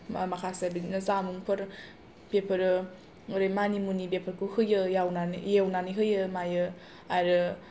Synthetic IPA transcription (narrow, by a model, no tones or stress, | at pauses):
makʰasebinɐzamuŋpʰɯɾ | b̥epʰɯɾɯ | ɾejmanimunibepʰəɾkuhɯjɯjawnanijewnaniɦɯjɯmajɯ | aɾɯ